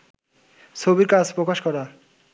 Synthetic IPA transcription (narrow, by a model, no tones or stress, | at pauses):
t͡sʰobiɾkat͡sʰpɾokaʃkɔɾa